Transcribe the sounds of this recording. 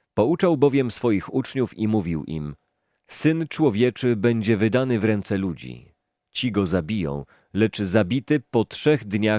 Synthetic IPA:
pɔut͡ʂawbɔvʲjɛmsfɔjixut͡ʂɲufimuvʲiwʔḭm | sɘnt͡ʂwɔvʲjɛt͡ʂɘbɛɲd͡ʑɛvɘd̪anɘvɾɛnt̪sɛlud͡ʑḭ | t͡ɕiɡɔzabʲijɔ̰̃w̃ | lɛt͡ʂzabʲit̪ɘpɔtʂɛɣd̪ɲa

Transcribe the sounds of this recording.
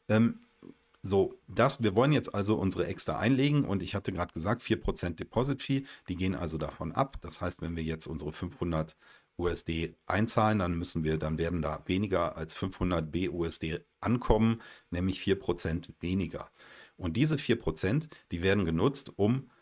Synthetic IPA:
ʔɛːm | zoːd̥asviːɐvɔlənjɛt͡stʔalzoʔʊnzəʁəʔɛkstʁ̥a̰ʔa̰ɪnleːɡŋ̩ʔʊ̰ntɪçhatəɡʁaːdɡ̥əzaːk̚tfiːɐpʁ̥ot͡sɛntd̥epʰɔzɪtfiːd̥iːɡeːənʔa̰lzodafɔnʔa̰pd̥ashaɪstv̥ɛnviːɐjɛt͡stʔʊnzəʁəfʏnfhʊndɐt | ʔuːɛsd̥eːʔa̰ɪnt͡saːləndanmʏsn̩viːɐdanveːɐdn̩da̰ːveːnɪɡɐʔa̰lsfʏnfhʊndɐt̚b̥eːʔuːɛsd̥eːʔankʰɔmənnɛːmlɪçfiːɐpʁ̥ot͡sɛntveːnɪɡɐ̰ʔʊnt̚d̥iːzəfiːɐpʁ̥ot͡sɛntd̥iːveːɐdn̩ɡənʊt͡stʔʊm

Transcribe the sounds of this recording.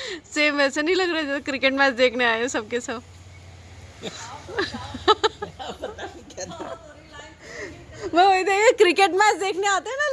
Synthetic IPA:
semːeseniləɡɾad͡ʑekɾikeʈmæt͡sd̪ekʰneajesəb̚kesəb | məəjd̪eekɾikeʈmæt͡sd̪ekʰneat̪ena

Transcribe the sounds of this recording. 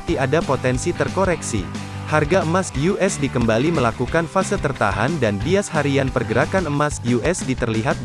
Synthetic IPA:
t̪iadapot̪ɛnsit̪ərkoɾɛksḭ | harɡaəmasjuʔɛsdikəmbaliməlakukanfasɪlt̪ərt̪a̰ɦandanbiashaɾianpərɡəɾakanəmasjuʔɛsdit̪ərliɦat̪̚

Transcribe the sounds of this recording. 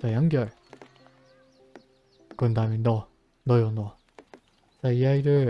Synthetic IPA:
t͡ɕajaŋɡjʌɭ | kɯnd̪aɦmjʌnːʌ | nʌjonʌ | t͡ɕaijaiɾɯɭ

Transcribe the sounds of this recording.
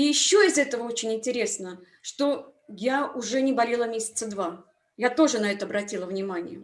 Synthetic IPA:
ijɪɕːoɪzɛt̪əvəo̞t͡ɕɪnʲɪnʲtʲɪɾʲe̞snə | ʂt̪o̞ | jaʊʐɛnʲɪbɐlʲelˠəmʲesʲɪ̥t̪səd̪va | jat̪o̞ʐɨnɐɛt̪əɐbɾɐtʲilˠəvnʲɪmanʲɪ̰jə̰

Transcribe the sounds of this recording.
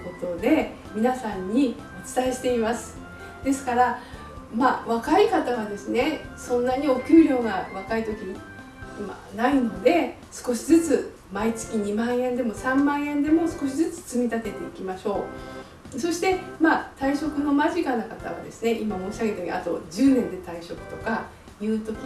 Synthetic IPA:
ko̞t̪o̞d̪e̞ | mʲinasãɲ̟ːi | o̞t͡sɨ̥t̪aeɕi̥t̪e̞imasɨ̥ | d̪̥e̞sɨ̥kaɾa | maːβakaikat̪aβad̪e̞sɨne̞sõ̞nːaɲ̟io̞kʲɯːɾʲo̞ːŋaβakait̪o̞kʲiɲi | ma̰ | naino̞d̪e̞ | sɨ̥ko̞ɕizɨt͡sɨ | mait͡sɨ̥kʲiɲ̟imãɰ̃ẽ̞nd̪e̞mo̞sãmːãɰ̃ẽ̞nd̪e̞mo̞sɨ̥ko̞ɕizɨt͡sɨ̥t͡sɨmʲit̪at̪e̞t̪eikʲimaɕo̞ː | so̞ɕi̥t̪e̞maːt̪aiɕo̞kɯ̟no̞maʑikanakat̪a̰βa̰d̪e̞̰sɨne̞ʔimamo̞ɕʲiaɡe̞t̪eɲʲḭa̰t̪o̞d͡ʑɨːnẽ̞nd̪e̞t̪aiɕo̞kɯ̟̥t̪o̞ka | jɯ̟ːt̪o̞kʲi

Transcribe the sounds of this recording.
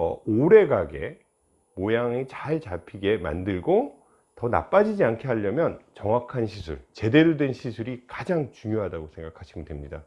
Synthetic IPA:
oɾe̞ɡaɡe̞̰ | mojaŋet͡ɕaɭt͡ɕapʰiɡe̞ma̰ndɯɭɡo | tʌna̰p͈ad͡ʑid͡ʑiankʰeɦaʎːʌmjʌnt͡ɕʌŋwakʰanɕʰisʰuɭt͡ɕe̞de̞ɾodwe̞nɕʰisʰuɾikad͡ʑaŋt͡ɕuŋjoɦadaɡosʰe̞ŋɡakʰaɕʰiɡɯdwe̞mɲida

